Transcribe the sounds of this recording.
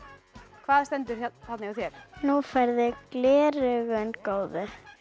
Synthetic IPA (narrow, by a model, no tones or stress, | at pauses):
kʰvaːðst̪ɛnt̪ʏɾ̥θat̪nɪɣaθjɛɾ̥nufajɾðɪklɛːɾʏɣʏnkoːwðɪ